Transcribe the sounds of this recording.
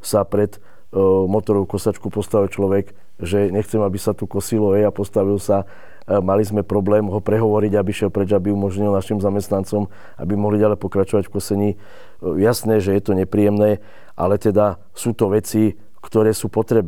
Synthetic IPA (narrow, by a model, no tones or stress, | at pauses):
sapɾɛd̪ | mɔt̪ɔɾɔʊkɔsat͡ʃkupɔst̪aʋilt͡ʃlɔʋɛɡ | ʒɛɲɛxt͡sɛmabisat̪ukɔsilɔɛapɔst̪aʋilsa | malizmɛpɾɔblɛːmɦɔpɾɛɦɔʋɔɾiɟabiʃɛlpɾɛd͡ʒabiumɔʒɲilnaʃimzamɛst̪nant͡sɔm | a̰bimɔɦliɟalɛpɔkɾat͡ʃɔʋacfkɔsɛɲiː | jasnɛʒɛjɛt̪ɔɲɛpɾijɛmnɛː | ʔa̰lɛt̪ɛd̪a | suːt̪ɔʋɛt͡si | kt̪ɔɾɛːsuːpɔt̪ɾɛb